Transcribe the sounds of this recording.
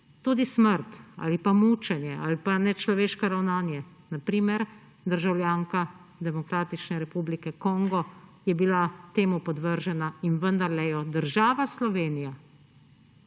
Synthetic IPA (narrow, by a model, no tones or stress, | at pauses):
t̪uːd̪isməɾt̪a̰ːlipamut͡ʃɛnjɛa̰ːlipanɛt͡ʃlɔʋeːʃkɔɾawnaːnjɛ | napɾiːmɛɾ | d̪əɾʒawljaːŋka | d̪ɛmɔkɾaːt̪it͡ʃnɛɾɛpublikɛkɔŋɡɔjɛbilat̪eːmupɔd̪ʋəɾʒɛnainʋənd̪aɾlɛjɔd̪əɾʒaːʋaslɔʋeːnija